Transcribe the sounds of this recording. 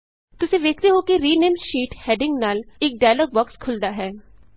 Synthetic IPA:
t̪ʊseʋeːkt̪eɦokeɾiːnẽːmʃiːʈhɛːɖɪ̃ŋɡnaːlek̚ɖaːjləːɡ̚bɐkskʰʊld̪aɦɛː

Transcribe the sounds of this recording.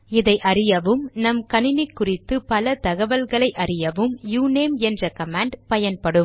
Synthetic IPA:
ɪðɐɪʔɐrɪjɐʋɯmnɐmkɐɳɪnɪkːʊrɪt̪ːɯpɐlɐt̪ɐɣɐʋɐlɣɐɭɐɪʔɐrɪjɐʋɯmjuːneːmɛndrɐkɐmaːɳɖpɐjɐnpɐɽɯm

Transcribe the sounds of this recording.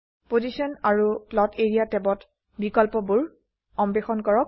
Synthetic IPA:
pozisɔnaɹuplɔtʰeɹijatɛbɔt | bikɔlpɔbuɹ | ɔmbexɔnkɔɹɔk̚

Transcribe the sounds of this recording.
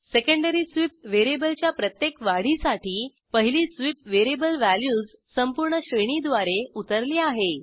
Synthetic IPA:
sekəɳɖəɾiːsʋip̚ʋeɾebəlt͡ɕjapɾət̪jekʋaɽ̤isaʈiː | pəɦiliːsʋip̚ʋeɾebəlʋæljuːd͡z | səmpuɾɳəɕɾeɳ̃iːd̪ʋaɾeut̪əɾliːaɦe

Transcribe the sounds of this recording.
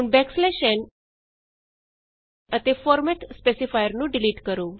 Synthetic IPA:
uːnbɛksleɕən | ət̪efɔɾmɛʈspesifajəɾnũːɖiliːʈkəɾuː

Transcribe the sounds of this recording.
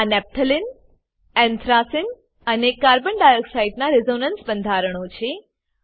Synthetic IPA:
anɛp̚t̪ʰəlɪn | ɛ̃nt̪ʰɾasɪn | ənekaɾbəɳɖajəksaiʈnaɾɪzonənsbənd̪ʱaɾəɽ̃ot͡ʃʰe

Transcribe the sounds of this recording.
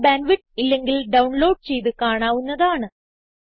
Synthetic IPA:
baːnʋiʈilːe̞ŋɡilɖɐwɳlo̞ːɖ̚t͡ɕe̞jt̪ɨkaːɳaːʋunːɐðaːɳɨ

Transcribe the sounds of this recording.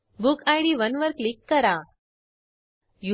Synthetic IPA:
bukajɖiʋənʋəɾklikːəɾa | ju

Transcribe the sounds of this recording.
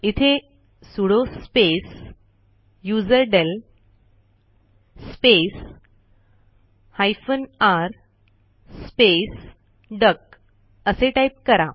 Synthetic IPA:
it̪ʰe | suɽospes | jud͡zəɾɖel | spes | hajfənaɾ | spes | ɖək̚ | əseʈaip̚kəɾa

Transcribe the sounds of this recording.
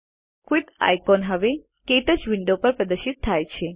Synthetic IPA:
kwiɖa̰jkɔnɦəʋe | keʈəd͡ʒʋɪɳɖopəɾpɾəd̪əʃit̪ʰːajt͡ʃʰe

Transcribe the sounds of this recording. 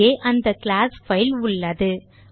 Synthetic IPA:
eːʔɐnd̪ɐkɭaːsfɐɪlʊɭːɐðɯ

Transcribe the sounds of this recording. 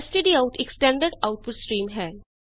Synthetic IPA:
sʈeɖiaʊʈʰeksʈɛ̃ːɳɖəɖaʊʈ̚pʊɖsʈɾiːmɦɛː

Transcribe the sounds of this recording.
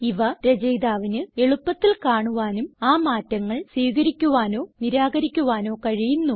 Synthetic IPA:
iʋɐɾɐd͡ʑɐjd̪aːʋinɨe̞ɭupːɐt̪ːilkaːɳuʋaːnumaːmaːtːɐŋːɐɭswiːɣɐɾikʲːuʋaːno̞ːniɾaːɡɐɾikʲːuʋaːno̞ːkɐɻijunːu

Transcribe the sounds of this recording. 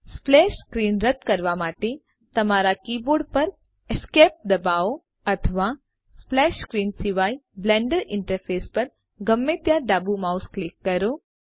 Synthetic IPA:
splɛːʃskɾiːnɾɐt̪̚kɐɾʋamaːʈe | t̪ɐmaːɾakiːboːɾɖpɐɾ | eskeːp̚d̪ɐbaːo | ɐt̪ʰəʋa | splɛːʃkɾiːnsɪʋaːiblɛ̃ːɳɖəɾɪ̃ɳʈəɾpʰeːspɐɾ | ɡɐmːeːt̪jaɖaːbumaːʊsklɪkːɐɾoː

